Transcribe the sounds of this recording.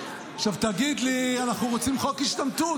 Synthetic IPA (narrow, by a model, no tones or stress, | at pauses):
aχʃavt̪aɡid̪lianaχnuʁot͡simχokiʃt̪amt̪u